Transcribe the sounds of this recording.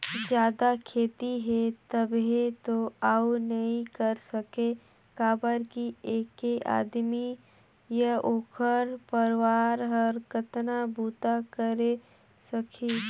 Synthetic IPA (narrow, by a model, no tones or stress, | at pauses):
d͡ʒjaːd̪akʰeːt̪iɦɛt̪əbɦet̪oaːunɐɦĩkəɾsɐke | kaːbəɾkieːkeʔa̰ːd̪mi | jaoːkʰəɾpəɾwaːɾɦəɾkət̪nabuːt̪akəɾe | sɐkʰi